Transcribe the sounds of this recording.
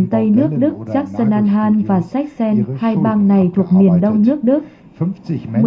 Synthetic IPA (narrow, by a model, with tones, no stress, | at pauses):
nt̪ə˧jnɨ˦˥ək̚ɗɨ˦˥k̚zaː˦˥k̚sə˧nʔaː˧nɦaː˧nvaː˨˩sa˦˥jk̟̚sɛ˧nhaː˧jɓaː˧ŋna˨˩jt̪ʰu˨˩ək̚mi˨˩ənɗə˧wŋ͡mnɨ˦˥ək̚ɗɨ˦˥k̚ | m˨